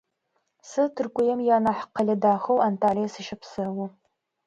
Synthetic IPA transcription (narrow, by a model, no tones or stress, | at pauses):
sɨtʰɨrkʷʼʊjɛmjaːnaħqɐɮʲɐdaːxɐwantʰaːlijɐsɨʃɐpʰsɨwʊ